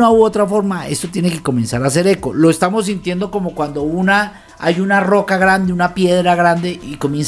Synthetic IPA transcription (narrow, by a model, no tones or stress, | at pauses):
ouot̪ɾafo̞ɾmae̞̰st̪o̞t̪je̞neke̞ko̞mẽ̞nsaɾas̬e̞ɾe̞ko̞lo̞est̪amo̞s̬ːint̪je̞nd̪o̞ko̞mo̞kwand̪o̞una | a̰junaro̞kaɣɾand̪e̞unapje̞ðɾaɣɾand̪e̞ʔiko̞mje̞ns